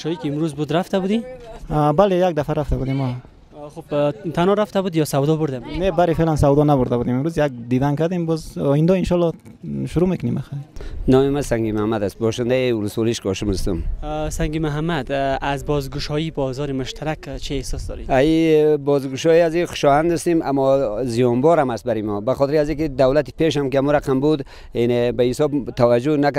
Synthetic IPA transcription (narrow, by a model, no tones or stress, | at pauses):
ʃɔikiːmɾuzbud̪ɾaft̪abud̪i | balejaɡ̚d̪afaɾaft̪ʰabud̪imɔ | χubt̪ʰanɔɾaft̪abud̪jɔsawd̪ɔbʊɾd̪amnebaɾifelansawd̪ɔnabuɾd̪abud̪imimɾuzjaɡ̚d̪id̪ankaɾd̪imbɔzɔind̪ɔinʃɔlːɔ | ʃuɾumekʊnimaxajnɔmimasaŋɡimahmad̪ast̪̚bɔʃɪnd̪aiuluswɔliʃɡɔʃumust̪umsaŋɡimʊɦamːad̪azbɔzɡʊʃɔibɔzɔːɾimʊʃt̪ʰaɾakt͡ʃʰiehsɔsd̪ɔ̰ɾiaibɔzɡuʃɔiaziχʊ̥ʃɔhand̪ɪst̪ima̰mːɔzijɔnbɔɾamast̪baɾimɔbaχɔt̪iɾiazikid̪awlat̪i̥peʃ̬amkiamuɾaqambud̪ | inebaisɔbt̪ʰawad͡ʒunak